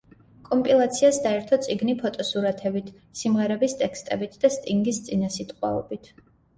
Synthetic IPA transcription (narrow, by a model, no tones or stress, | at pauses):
kʼɔmpʼilˠat̪sʰiasd̪aɛɾt̪ʰɔt̪sʼiɡnipʰɔt̪ʼɔsuɾat̪ʰɛbit̪ʰ | simʁɛɾɛbist̪ʼɛkst̪ʼɛbit̪ʰd̪ast̪ʼiŋɡist̪sʼinasit̪ʼqʼwa̰ɔ̰bit̪ʰ